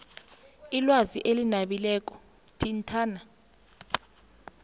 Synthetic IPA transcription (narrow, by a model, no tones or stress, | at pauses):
ilwaziʔelinaɓilɛːk̬ʼɔ̥ | tʰʼintʰaːna